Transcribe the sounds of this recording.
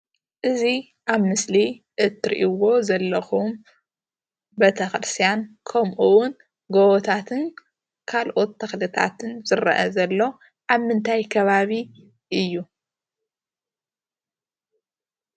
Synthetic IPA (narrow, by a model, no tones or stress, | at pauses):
ʔɨzi | ʔaβmɨsliʔɨt̪ʰːɾḭʔiwo̞zɐlːɐxum | bɐt̪ʰɐxɨɾɨst̪ʰijankʰɐmʔuwʊn | ɡowɔt̪ʰat̪ʰɨn | kʰalʔo̞t̪ːɐxlɨt̪ʰa̰t̪ʰɨnzɨɾɐ̰ʔɐ̰zɐlːo̞ | ʔaβmɨnt̪ʰajkʰɐβaβi | ʔɨjːu